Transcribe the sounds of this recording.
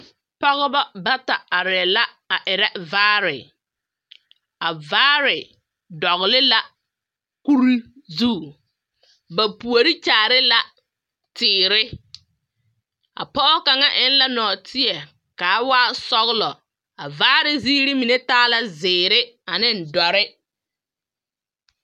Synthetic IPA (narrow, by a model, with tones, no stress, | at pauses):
pɔ˦ɣɔ˦bɔ˦ba˦ta˨a˨ɾɪ˨la˦ | a˨ʔɪ˨ɾɛ˦vaː˦ɾɪ˨ | a˨vaː˦ɾɪ˨ | dɔ˨ɣlɪ˦la˦ | ku˦ɾi˦ | zu˦˨ | ba˨pu˨o˨ɾi˦t͡ʃaː˨ɾɪ˦la˨ | tɪː˨ɾɪ˦ | a̰˨pɔ˦ʔɔ˦ka˨ŋa˦ʔɪ˦n˦la˦nɔː˨tɪ˦ɛ˨ | kaː˨˦waː˦sɔ˦ɣlɔ˨ | a˨vaː˦ɾɪ˦ziː˦ɾɪ˦mi˨ne˦taː˦la˦zɪː˨ɾɪ˦a˨nɪ˦n̩˨dɔ˨ɾɪ˦